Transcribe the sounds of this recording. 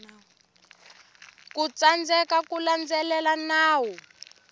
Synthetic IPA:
kut͡sand͡zɛkakuland͡zɛlɛlanaːwɔ

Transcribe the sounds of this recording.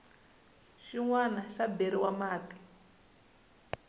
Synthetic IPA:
ʂiŋwanaʂabeɾiwamaːti̥

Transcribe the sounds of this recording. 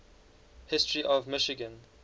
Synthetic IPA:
hɪstɹiʔɔvmɪʃɪɡə̃n

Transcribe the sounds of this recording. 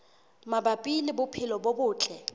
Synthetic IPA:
mabapʼilɪbʊpʰɪlɔbobʊːt͡ɬʼɛ

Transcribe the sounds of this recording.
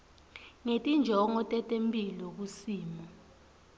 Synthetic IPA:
ŋetʼind͡ʒʱɔŋɔtʼɛtʼempʼilɔk̬usiːmɔ

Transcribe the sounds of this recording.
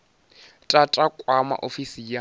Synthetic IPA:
tʼatʼakʼwama̰ʔofisija

